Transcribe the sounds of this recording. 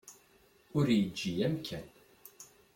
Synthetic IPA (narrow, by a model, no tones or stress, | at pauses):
ʊɾjəd͡ʒːiæmkʰæn